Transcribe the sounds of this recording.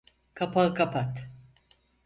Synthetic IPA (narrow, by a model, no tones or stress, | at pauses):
kʰapʰakapʰat̪